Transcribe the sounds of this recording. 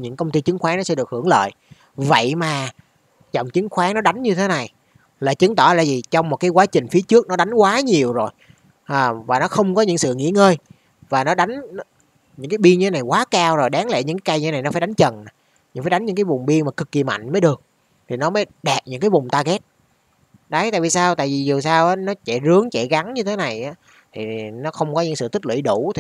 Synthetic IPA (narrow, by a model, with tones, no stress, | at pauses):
ɲɨ̰˧˥ŋkə˧wŋ͡mt̪i˧t͡ɕɨ˨˦ŋxwaː˨˦nɔ˨˦sɛ̰˧˥ɗɨ˨˩ək̚hɨ˧˩əŋlə̰ː˧˨j | və̰˧˨jmaː˨˩ | zɔ˨˩wŋ͡mt͡ɕɨ˨˦ŋxwaː˨˦ŋnɔ˨˦ɗa˨˦jŋ̟ɲɨ˧t̪ʰe˨˦na˨˩j | la̰ː˨˩t͡ɕɨ˨˦ŋt̪ɔ̰˧˩la̰ː˧˨jvi˨˩t͡ɕɔ˧wŋ͡mmo˨˩t̚kaː˨˦jkwaː˨˦t͡ɕï˨˩ŋ̟fi˨˦ət͡ɕɨ˦˥ək̚nɔ˨˦ɗa˨˦jŋkwaː˨˦ɲi˨˩əwzo˨˩j | ʔːvaː˨˩nɔ˨˦xə˧wŋ͡mkɔ˨˦ɲɨ̰˧˥ŋsɨ̰˧˨ŋḭ˧˥əŋəː˧j | vaː˨˩nɔ˨˦ɗa˨˦jŋ̟˨˦ | ɲɨ̰˧˥ŋkaː˨˦jɓi˧əŋɲɨ˧t̪ʰe˨˦na˨˩jkwaː˨˦kaː˧wzo˨˩jɗaː˨˦ŋla̰˧˨ɲɨ̰˧˥ŋkaː˨˦ka˧jɨ˧e˦na˨˩jnɔ˨˦faː˧˩ɗa˨˦jŋ̟t͡ɕə˨˩n˨˩ | ɲɨ̰˧˥˩faː˧˩jɗa˨˦ŋ̟ɲɨ̰˧˥ŋkːaː˨˦vʊ˨˩ŋ͡mɓi˧ənmaː˨˩kɨ˨˩kːi˨˩ma̰˧˨jŋ̟məː˨˦jɗɨ˨˩ək̚ | t̪ʰi˨˩nɔ˨˦məː˨˦jɗɛ˨˩p̚ɲɨ̰˧˥ŋkaː˨˦jvʊ˨˩ŋ͡mt̪aː˧ɣɛ˦˥t̚ | ɗa˨˦jt̪a̰ː˧˨jvi˨˩saː˧wt̪a̰ː˧˨jvi˨˩zu˨˩saː˧wʔaː˨˦nɔ˨˦t͡ɕɛ̰˧˥zɨ˨˦əŋt͡ɕɛ˧˩ɣa˨˦ŋɲɨ˧t̪ʰe˨˦na˨˩jʔaː˨˦ | t̪ʰi˨˩nɔ˨˦xə˧wŋ͡mkɔ˨˦ɲɨ̰˧˥ŋsɨ̰˧˨t̪ʰi˦˥k̚lwḭ˧˥˦ɗu˧˩˥t̪ʰi˨˩